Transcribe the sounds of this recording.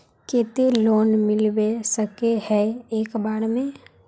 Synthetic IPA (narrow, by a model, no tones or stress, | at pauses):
keːt̪eloːnmɪlbesəkehɛeːkbaːɽmẽ